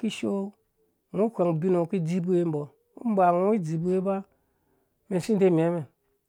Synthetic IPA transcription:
ki˦ʃo˦ | ŋʷo˦kʷa˨ŋbi˦no˨ki˦d͡zi˦bu˦e˧˦m̩˦bɔ˨˦ | m˦ba˨ŋʷo˦i˦d͡zi˨bu˦e˦ba˦ | me˨ʃi˦nde˦mʲ˨a˨˦me˨

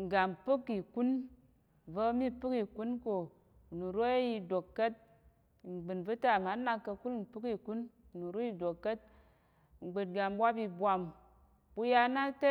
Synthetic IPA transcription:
ŋ̩˨ɡa˨mpɨ˦ki˨ku˦n | və˦mi˦pɨ˦ki˨ku˦nko˨ | nu˨ɾo˦e˦ji˧do˨kːə˦t̚ | ŋ͡m̩˨ɡ͡bɨ˨nvɨ˦ta˨ma˨˦na˧kːə˧ku˦ln̩˨pɨ˦ki˨ku˦n˨ | nu˨ɾo˦ji˧do˨kːə˦t̚ | ŋ͡m̩˨ɡ͡bɨ˨t̚ɡa˨m˦bʷa˦pi˧bʷa˧m | bu˧ja˧na˦te˦

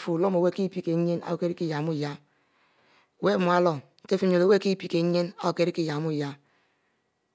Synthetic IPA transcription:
fu˨lo˦mo˨we˦ki˦˨pi˦ke˨˦ɲe˦na̰˦o˨ke˦ɾi˦ki˦ja˨mu˦˨ja˦˨ | we˦m˨˦a˦lɔ˨te˦fi˦o˨le˨˦we˦ki˦˨pi˨˦ke˨ɲe˦na˦o˨ke˨˦ɾi˦ki˦˨ja˨mu˦˨ja˦

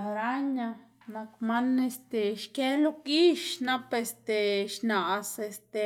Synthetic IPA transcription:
ɾa˦ɲa˧ | na˧kma˦ne˧st̪e˨ʃke˦lu˧ki˦ʃna˦pe˧st̪e˧ʃna˨se˧st̪e˧

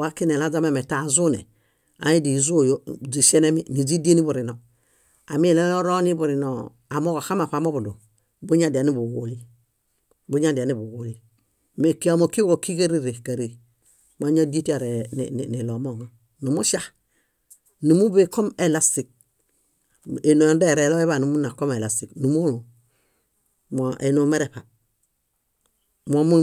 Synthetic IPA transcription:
wa˦ki˦ne˨la˦d͡ʒa˦ma˦˨me˨ta˨zu˦nḛ˨ | a̰˨i˦di˨zu˦˨jo˦d͡ʒi˨ʃe˦ne˦mi˦ni˨d͡ʒi˦di˦e˦ni˦bu˨ɾi˨no˨ | a˨mi˦˨le˦lo˦ɾo˦ni˦bu˨ɾi˨no˨ | a˨mo˦ko˨xa˦ma˨pa˨mo˦bu˨dṵ˨ | bu˦ɲa˦di˨a˨ni˦bu˨ɡu˨li˦ | bu˦ɲa˦di˨a˨ni˦bu˨ɡu˨li˦ | me˨ki˦a˨mo˨ki˦ɡo˨ki˦ka˦ɾi˦ɾe˨ka˨ɾe˦˨ | ma˦ɲo˦di˦ti˦a˨ɾḛ˨n̰˨ni˨lo˨mo˦˨ŋa˦ | nu˨mu˦ʃa˦ | nu˨mu˦be˦˨ko˦me˨la˦si˨k̚ | e˨no˨jo˨n˦de˦˨ɾe˨lo˦e˦βa˦˨nu˨mu˦na˨ko˦me˨la˨si˨knu˨mu˦lu˨ | mo˨ʔe˨no˨me˦ɾe˨pa˨ | mo˨mu˦

